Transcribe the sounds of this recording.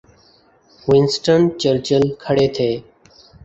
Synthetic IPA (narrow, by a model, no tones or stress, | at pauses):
ʋɪnsʈəɳt͡ʃəɾt͡ʃəlkʰəɽeːt̪ʰeː